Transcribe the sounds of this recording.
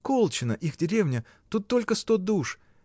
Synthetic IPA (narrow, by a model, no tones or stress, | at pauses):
ko̞lˠt͡ɕɪnə̰ʔixdʲɪɾʲevnʲə | t̪ut̪ːo̞lʲkəst̪od̪uʂ